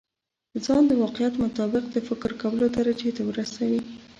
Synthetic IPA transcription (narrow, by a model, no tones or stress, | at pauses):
d̪əzɑnd̪əwɑqɪjat̪mʊt̪ɑbɪq̚d̪əfɪkɾkawəlod̪aɾad͡ʒet̪awɾəsawi